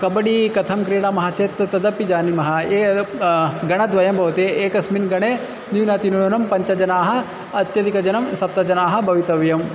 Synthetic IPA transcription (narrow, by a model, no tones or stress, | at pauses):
kɐbɐɽikɐt̪ʰɐmkɾiːɽamɐɦat͡ʃeːt̪ɐt̪ɐd̪ɐpid͡ʒaːnimɐɦɐeː | ɡɐɽ̃ɐd̪ʋɐjɐmbʱɐʋɐt̪eeːkɐsminɡɐɽ̃e | nunaːt̪inojonɐmpɐɲt͡ʃɐd͡ʒɐnaːɦɐ̆ | ɐt̪jɐd̪ikɐd͡ʒɐnɐmsɐp̚t̪ɐd͡ʒɐnaːɦɐ̆bɐʋit̪ɐʋjɐm